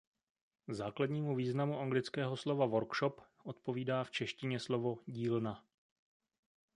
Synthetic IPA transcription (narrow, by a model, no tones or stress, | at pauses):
zaːkladɲiːmuviːznamuʔaŋɡlɪt͡skɛːɦo̞slovavo̞ɾkʃopʔo̞t̪̚po̞viːdaːft͡ʃɛʃcɪɲɛslo̞vo̞ɟiːlna